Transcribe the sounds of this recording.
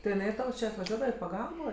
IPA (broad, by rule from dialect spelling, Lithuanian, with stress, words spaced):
tʲɪ ɪˈnɐɪ ˈtɐʊ t͡ʃʲɪ ɐtʋɐˈʒʲuɔdɐʋɐ ɪ pɐˈɡɐlˠboː